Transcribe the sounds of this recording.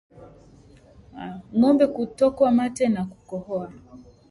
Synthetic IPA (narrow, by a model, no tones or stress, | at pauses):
aŋɔmbɛkutɔkwamatɛnakukɔhɔa